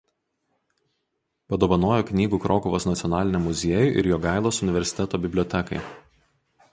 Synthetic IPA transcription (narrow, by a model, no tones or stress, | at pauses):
pɐd̪oːʋɐnoːjoːknʲiːɡuːkɾʔoːkʊʋoːsnɐt̪sʲɪɔnɑːlʲɪnʲɛmʊzʲiɛjʊˑʔɪ̰ɾjoːɡɑˑɪlˠoːsʊnʲɪʋʲɛɾʲsʲɪ̥t̪ʲɛt̪oːbʲɪbʲlʲɔːt̪ʲɛkɐ̰ɪ